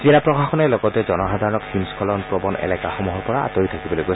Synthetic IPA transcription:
kilapɹɔxaxɔnɛlɔɡɔtɛzɔnɔxadʱaɹɔnɔkhimskʰɔlɔnpɹɔbɔnɛ̰lɛkaxɔmuɦɔɹpɔɹaa̰toɹitʰakibɔlojɡojs

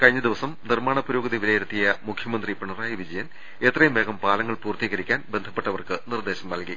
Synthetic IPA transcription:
kɐɻiɲːɐd̪iʋɐsɐmnirmaːɳɐpːɐɾoːɡɐðiʋilejiɾut̪ːijɐmukʰjɐmɐnd̪ripɐɳɐraːjiʋid͡ʑɐjɐn | e̞t̪rɐjumʋe̞ːɡɐmpaːlɐŋːɐɭpuːrt̪iːɣɐɾikʲːaːnbe̞nd̪ʱʰɐpːe̞ʈːɐʋɐrkɨnird̪eːɕɐmːɐlki

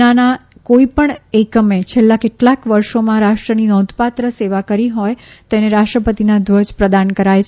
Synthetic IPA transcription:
anakoipəɳekəmet͡ʃʰelːakeʈlakʋəɾʃomãɾaʂʃʈɾəninɔd̪pat̪ɾəseʋakəɾiɦɔjt̪eneɾaʃʈɾəpət̪inad̪ʋəd͡ʒpɾəd̪ankəɾajʰ

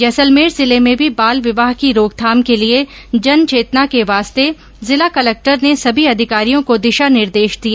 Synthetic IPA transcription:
jɐsəlmeːɾzɪlemẽbʱibaːlʋɪʋaːɦkiɾoːɡ̚t̪ʰaːmkelie | d͡ʒɐnt͡ʃeːt̪nakeʋaːst̪e | zɪlakɐlɛk̚ʈəɾnesɐbʱiɐd̪ʱɪkaːɾijõkod̪ɪʃanɪɾd̪eːʃd̪ijaː

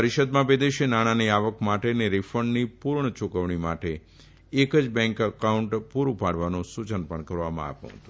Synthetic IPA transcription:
əɾiʃəd̪mãʋed̪eʃenaɽ̃aniaʋəkmaʈeneɾifəɳɖnipuɾɳət͡ʃukəʋɳ̃imaʈeː | kəd͡ʒbɛ̃ŋkəkauɳʈpuɾupaɽʋanosut͡ʃənpəɳkəɾʋamã̰a̰pṵ̃ɦə̰t̪ũ

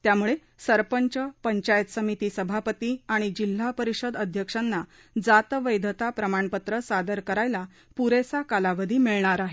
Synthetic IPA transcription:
t̪jamuɭe | səɾpəɲt͡ɕəpəɲt͡ɕajət̪səmit̪iːsəbʱapət̪iaɽ̃id͡ʑil̤ːapəɾiɕəd̪əd̪ʱjəkʂanːa | d͡zat̪ʋəjd̪ʱət̪apɾəmaɳpət̪ɾəsad̪əɾkəɾajla | puɾesakalaʋəd̪ʱiːmiɭɳaɾaɦe

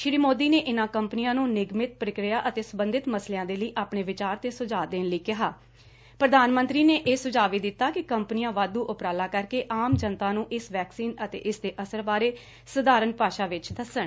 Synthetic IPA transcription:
ʃɾiːmoːd̪iːneːʔɪnãːkəmpənijãːnũːnɪɡmɪt̪̚pɾəkɾɪjaːʔət̪eːsəbənd̪ɪt̪məsleːãːd̪eːləiːʔaːpɳeːʋɪt͡ʃaːɾt̪eːsʊd͡ʒaːd̪eːnləiːkɪɦaː | pɾəd̪aːnmə̃nt̪ɾiːneːʔeːsʊd͡ʒaːʋiːd̪ɪt̪ːaːkɪkəmpnɪãːʋaːd̪uːʔʊpɾaːlaːkəɾkeːʔaːmd͡ʒənt̪aːnũːʔɪsʋɛːksiːnət̪ḛːʔɪsd̪eːʔəsəɾbaːɾeː | sʊd̪aːɾənpaːʃaːʋɪt͡ʃd̪əsəɳ

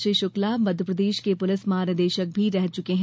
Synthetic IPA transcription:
iʃʊklamɐd̪ʱəpɾəd̪eːʃkepʊlɪsmaːɾnəd̪eːʃək̚bʱiɾɛɦt͡ʃʊkeɦ

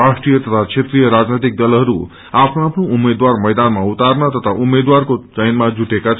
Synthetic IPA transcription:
asʈrijʌt̪ʌt̪ʰat͡sʰet̪rijʌɾad͡znet̪ik̚d̪ʌlɦʌɾu | apʰnoapʰnoumːed̪warmʌjd̪anmaut̪arnʌt̪ʌt̪ʰaʔumed̪warkot͡sʌjnmad͡zuʈekat͡sʰ

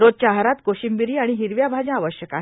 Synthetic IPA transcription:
ɾod͡ʑ̚t͡ɕaɦɾat̪koɕimbiɾiːaɽ̃iɦiɾʋjabʱad͡ʑãaʋəɕjəkaɦ

